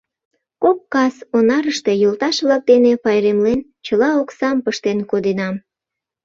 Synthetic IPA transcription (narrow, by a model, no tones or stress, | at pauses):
kop̚kɑsonɑɾəʃt̪e̽jolt̪ɑʃβlɑk̚d̪enepɑjɾemlen | t͡ɕəlɑoksɑmpəʃt̪enkod̪enɑm